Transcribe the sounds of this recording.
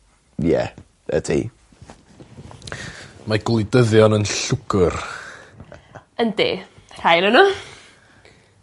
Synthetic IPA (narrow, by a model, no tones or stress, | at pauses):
jɛ̰ | ə̰dʰḭ | maɡlˠidəðjɔnənɬʊɡʊr | əndḛːr̥ajlənu